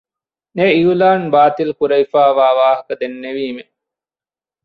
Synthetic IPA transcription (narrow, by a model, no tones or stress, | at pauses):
neiulaːnbaːt̪ilkuɾɐifaːʋaːʋaːɦɐkɐd̪enːeʋiːme